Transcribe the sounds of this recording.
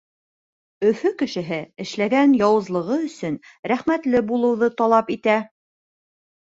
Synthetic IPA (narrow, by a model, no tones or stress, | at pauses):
ɵ̆fɵkɘ̆ʃɘ̆ɦɘɘ̆ʃlæɡænjɑwɤ̆zlˠɤ̆ʁɤɵ̆sɵnɾæχmæt̪lɘbulˠɤ̆wðɤt̪ɑlˠɑpit̪æ